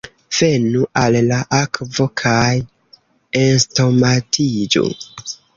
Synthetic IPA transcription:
v̥e̞nuʔalːaʔakvo̞kʰaj | ensto̞matʰid͡ʒṵ

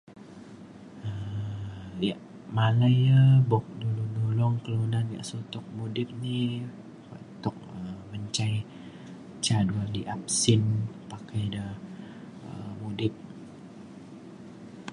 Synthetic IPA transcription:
ə | jaʔ | malajəbɔk̚duluŋdolɔŋkəlonanja̰ʔsot̪ɔk̚mudɪp̚ni | kɔ̰t̪ɔk̚əməɲt͡ʃaj | t͡ʃadualiʔap̚sɪnpakajdə | əmudɪp̚

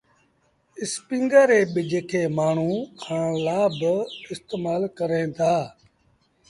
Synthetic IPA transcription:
ɪspĩŋɡəɾeːɓɪd͡ʒkʰeːmaːɳ̤ũːkãːlaːbɪst̪eːmaːlkəɾẽːt̪ʰaː

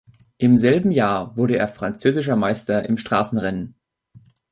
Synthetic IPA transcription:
ʔɪmzɛlbm̩jaːɐvʊɐɾəeːɐfʁ̥ant͡søːzɪʃ̬ɐmaɪstɐʔɪmʃtʁ̥aːsn̩ʁɛnən

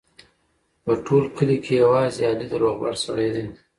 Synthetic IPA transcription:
pəʈʰolkʰəlikʰejawɑːzeɑlid̪əɾoɣba̰ɽsa̰ɽed̪i

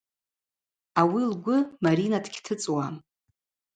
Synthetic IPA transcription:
awilɡʷʊmaɾinadɡʲtʰɨt͡sʼwa

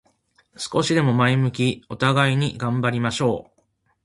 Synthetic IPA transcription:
sɨ̥ko̞ɕid̪e̞mo̞maimɯ̟k̬ʲio̞t̪aɡaiɲ̟iɡãmbaɾʲimaɕo̞ː

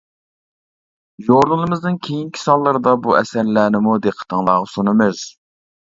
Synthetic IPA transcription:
joɾlɨlˠɨmɨznɨnkʲʰejiŋkʲʰi̥sɑlˠːɨɾɨd̪ɑbuɛ̰sɛɾlæːnɪmud̪eqʰə̥t̪ʰəŋlˠɑːʁɑsonɨmɨz̥

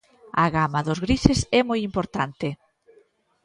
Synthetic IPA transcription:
aɣamaðʊzɣɾisesɛmojimpoɾt̪ant̪ɪ

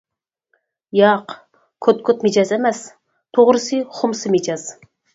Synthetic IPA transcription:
jɑq | kʰøt̪̚kʰʲot̪mɪd͡ʒɑzemɛs | t̪ʰoʁɾɨsɨχʊmsɨmɪd͡ʒɑz̥

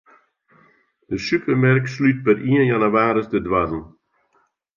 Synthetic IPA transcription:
d̥əsypʰəɾmɛrkslyt̚bəɾʔiənjanəvaːɾəsdədwazl̩

